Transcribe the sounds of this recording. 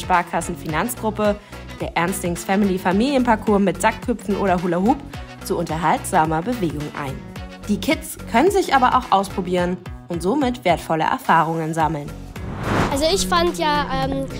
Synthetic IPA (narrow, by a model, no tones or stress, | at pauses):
ʃpaɐkʰasn̩finant͡sɡ̥ʁʊpə | d̥eːɐʔɛɐnstɪŋsfɛmilifamiːljənpaɐkʰuːɐmɪtz̥akʰːʏpp͡fn̩ʔoːɾɐɦulaɦuːpt͡suʔʊntɐɦaltz̥aːmɐbəveːɡʊŋʔa̰ɪnd̥iːkʰɪtt͡skʰœnənzɪçʔaːbɐʔa̰ʊxʔaʊspʁ̥obiːʁənʔʊntz̥oːmɪtv̥eːɐtfɔlə̰ʔɛ̰ɐfaːʁ̞ʊŋənzaml̩n | ʔalzoɪçfantjaːʔɛːm